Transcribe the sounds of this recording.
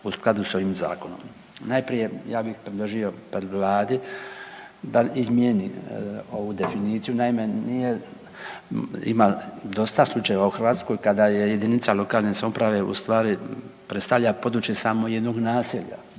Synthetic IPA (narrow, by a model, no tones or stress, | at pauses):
usklˠad̪uso̞ʋiːmza̰ːko̞no̞̰m | najpɾije̞jaːbixpɾed̪lˠoʒio̞pɾed̪ʋlˠaːd̪i | d̪aizmjenio̞ʋud̪e̞finiːt̪sijunaime̞nije̞ | ḭmad̪o̞st̪aslˠut͡ʃajeʋauxrʋaːt̪sko̞jkad̪ajeje̞d̪init̪salo̞kaːlˠnesaupɾaʋe̞ṵst̪ʋaːɾipɾest̪aʋʎʲapo̞d̪ɾut͡ʃjesamo̞jed̪no̞ɡnaːsiʎa̰